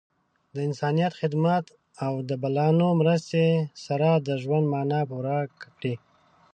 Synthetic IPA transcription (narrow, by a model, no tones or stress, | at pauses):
d̪əɪnsɑnijat̪xɪd̪mat̪ | awd̪əbalɑnomɾəst̪esaɾad̪əʒwand̪mɑnɑpuɾakakɽi